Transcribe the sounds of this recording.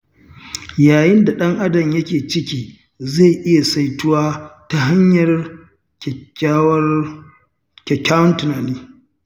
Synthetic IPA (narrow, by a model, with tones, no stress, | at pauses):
jaː˨jɪ˦nda˨ɗɐ˦ŋʔa˦dɐ˨mjɐ˦kʲeː˨t͡ʃɪ˦kʲiː˦ | ze˦˨ʔɪ˦ja˨sa˦jtʊ˦waː˦ta˦ɦa˦ɲjɐ˨r | kʲɛ˨kʲːaː˦wʊ˦ntʊ˨naː˨niː˦